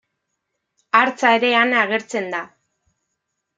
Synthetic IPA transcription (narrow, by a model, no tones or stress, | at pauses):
aɾt͡sae̞ɾe̞anaɣ̞e̞ɾt͡se̞nd̪a